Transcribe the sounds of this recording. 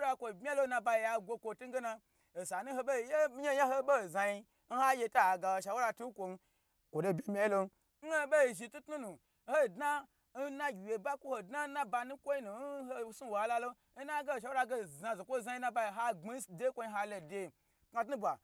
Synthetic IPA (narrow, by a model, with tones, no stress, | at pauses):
ɾa˧kʷo˨bmʲ˦a˦lo˦na˧ba˧ji˧˨ja˧ɡʷo˧kʷo˧tu˦ɡe˦na˧ | o˨sa˨nu˦ho˧ɓe˦˧je˦ɲe˦ja˦ho˦bo˦˨za˧ji˧ | n̩˦ha˦je˧ta˦˨ɡa˧˨wo˨ʃa˨wo˦ɾa˧tu˦n˦kʷo˨n˧˦ | kʷo˨do˧˨bʲe˦˨mʲa˨˦i˦lo˧n˦ | n̩˦o˧be˦i˨ʒi˧tu˦tnu˦nu˨˦ | ho˦˨dna˦ | n̩˦na˦ɡʲi˨je˨ba˦kʷu˦ho˨dna˦na˦ba˧nu˦kʷo˦i˦nu˨n˦ho˦su˦wo˨a˦la˦lo˦ | na˦ɡe˦o˨ʃ̬a˨˦wɾa˧ɡe˦˨za˧zo˨kʷo˦˨za˧ji˧˦na˧˦ba˧ji˨ɦa˦ɡ͡bi˦sde˦kʷo˦˧ji˧˦ɦa˧lo˨de˧ | kŋa˧t̬nu˦bʷa˨